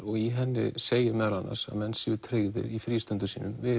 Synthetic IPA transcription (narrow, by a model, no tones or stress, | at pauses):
ɔɣiɦɛnːɪ̰seːjɪɾmɛðɾanːa̰sa̰ðmɛnsɪɪt̪ʰɾeːɣðɪ̰ɾifɾiːst̪ʏnt̪ʏsiːnʏmvɪ